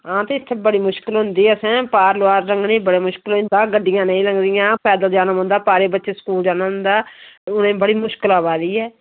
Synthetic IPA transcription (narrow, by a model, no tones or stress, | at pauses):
ãːt̪eːɪt̪ʰːbəɽiːmʊʃkɪlɦʊnd̪iːɛəsɛ̃ːpaːɾlʊaːɾɾəŋɡnĩːbəɽeːmʊʃkɪlɦʊ̃nd̪ãːɡəɖːɪjãːnəĩːləŋɡd̪ɪjãːpʰɛːd̪əld͡ʒaːnəmɦʊ̃nd̪aːpaːɾeːbətːʃeːsə̥kuːld͡ʒaːnmɦʊ̃nd̪aːʊnẽːbəɽiːmʊʃkɪlaːbaːd̪iːɛː